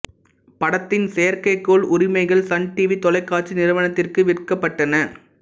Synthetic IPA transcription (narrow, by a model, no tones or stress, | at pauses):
pɐɽɐt̪ːɪnsejɐɾkɐɪkːoːɭʊɾɪmɐɪɣɐɭsɐɳʈiːʋit̪ɔlɐɪkːaːʈt͡ʃːinɪɾɯʋɐɳɐt̪ːɪrkɯʋɪrkɐpːɐʈːɐnɐ